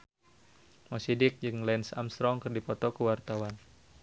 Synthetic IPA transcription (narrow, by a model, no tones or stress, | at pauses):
mɔsidɪk̚d͡ʒɨŋlɛnsa̰mst̪ɾɔŋkɨrdipɔt̪ɔkəwart̪awan